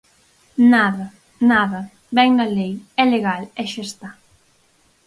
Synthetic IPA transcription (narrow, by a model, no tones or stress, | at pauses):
naðɐ | naðɐ | bɛŋnɐlejɛleɣalɛʃest̪a